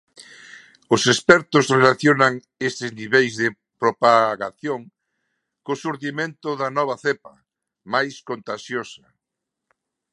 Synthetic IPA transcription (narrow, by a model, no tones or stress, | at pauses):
ʊsespɛɾt̪ʊzrelaθjonaŋ | est̪ɪzniβejzðɪ | pɾopaɣaθjoŋ | kosuɾt̪imẽnt̪ʊðɐnɔβ̞aθepɐ | majskont̪aʃjosɐ